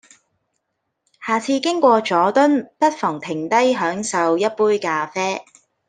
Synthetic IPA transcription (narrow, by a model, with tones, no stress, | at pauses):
haː˨˩t͡sʰiː˧kɪ˥ŋkʷɔː˧t͡ʃɔː˨˥t̪ɵ˥npɐ˥t̚fɔː˨˩ŋt̪ʰɪ˨˩ŋt̪ɐ˥jɦœː˨˥ŋsɐ˨wjɐ˥t̚puː˥jkaː˧fɛː˥